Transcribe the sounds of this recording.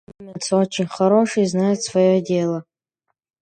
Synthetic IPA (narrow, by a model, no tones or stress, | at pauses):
mʲat͡sʰot͡ʃʰɪnʲχaɾo̞ʂɨiznajut̪svajo̞dʲe̞lˠɐ